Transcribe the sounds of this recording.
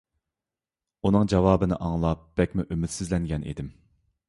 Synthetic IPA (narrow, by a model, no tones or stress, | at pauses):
unɨŋd͡ʒɑwɑːbɨnɪʔɑŋlˠɑp̚b̥ɛkʲmuʔymɪt̪sɪzlɛŋɡʲɛnʔḭd̪ɪm